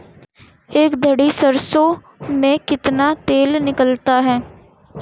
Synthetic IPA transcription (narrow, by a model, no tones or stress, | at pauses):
eːkd̪ʱəɽisəɾso | mẽkɪt̪nat̪eːlnɪkəlt̪aɦɛː